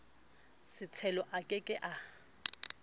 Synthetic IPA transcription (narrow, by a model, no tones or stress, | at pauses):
sɪt͡sʰɛlɔʔakʼɪkʼɪʔa